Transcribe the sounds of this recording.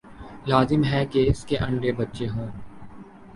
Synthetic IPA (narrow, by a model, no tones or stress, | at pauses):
laːzɪmɦɛkeɪskeʔɐ̃ɳɖebɐtːʃeɦõː